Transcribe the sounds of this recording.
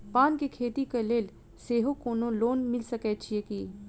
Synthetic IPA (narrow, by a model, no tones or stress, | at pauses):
paːnkekʰeːt̪ikeleːl | seːɦokoːnõloːnmɪlsɐkɛt͡ʃʰiekiː